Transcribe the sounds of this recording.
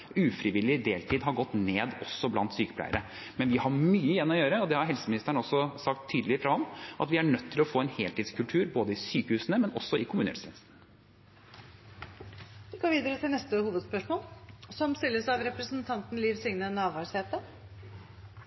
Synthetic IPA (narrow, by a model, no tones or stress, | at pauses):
ʉːfɾɪʋɪlːɪd̪eːlt̪ʰiːd̪ɦɑɾɡɔt̪neːd̪ɔsːɔblɑ̰nt̪syːkə̥plæ̰ɪəɾʔə | mɛnʋɪhɑmyːəɪjɛnːɔjøːɾəɔd̪ɛhɑɾɦɛlsəmɪnɪst̪əɳ̩ɔsːɔsɑk̚t̪ʰːyːd̪əlɪfɾɑhɑmʔɑt̪ʋɪæɳœt̪ʰːɪlɔfoːɛnheːlt̪iːd̪skʰʉlt̪ʰʉːɾboːd̪əɪsyːkəhʉːsənəmɛnɔ̰sːɔɪkʰʊmʉːnəɛ̰sɛ̰nsn̩ | ʋɪɡoːʋiːd̪əɾət̪ʰɪlnɛst̪əhuːʋəd̪spœʂmoːlsɔmst̪ɪlːəsɑʋɾɛpɾəsnt̪ʰɑnt̪n̩liːʋsʏŋnənɑːʋɑːsheːtp̪ə